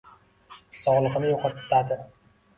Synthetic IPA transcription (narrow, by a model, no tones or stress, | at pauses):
sɒʁlˠɨqɨnɪjoqʰɑt̪ːad̪ɪ